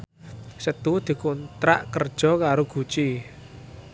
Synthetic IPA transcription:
sət̪ud̪̥i̤kont̪ɾa̰ʔkərd̥ʒ̥ɔ̤kaɾoɡ̥ṳt͡ʃi

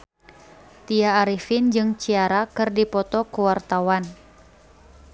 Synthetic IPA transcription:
t̪iaːɾifind͡ʒɨŋt͡ʃiaɾakɨrdipɔt̪ɔkuwart̪awan

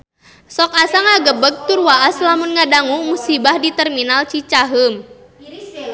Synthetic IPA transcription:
sɔk̚asaŋaɡəbəɡ̚t̪urwaʔaslamunŋadaŋumusibahdit̪ɛrminalt͡ʃit͡ʃaɦəm

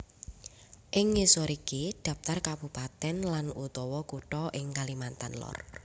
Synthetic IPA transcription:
ʔɪŋːesoɾikid̪̥a̤p̚t̪arkabupat̪ɛnlanut̪ɔwɔkuʈɔʔɪŋkalimant̪anlɔ̰r

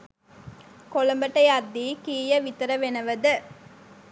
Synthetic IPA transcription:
kolɐmbɐʈːɐjad̪ːiːkiːjɐʋit̪ɐɾɐʋenɐʋɐd̪ɐ

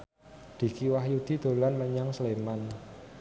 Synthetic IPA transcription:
d̪̥i̤kiwahjud̪̥i̤d̪̥o̤lanməɲaŋsleman

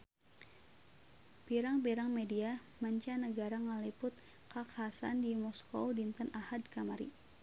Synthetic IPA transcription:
piɾaŋpiɾaŋmedia | maɲt͡ʃanəɡaɾaŋəlipʊt̪̚ | kakasa̰ndimɔskowdint̪anahadkamaɾḭ

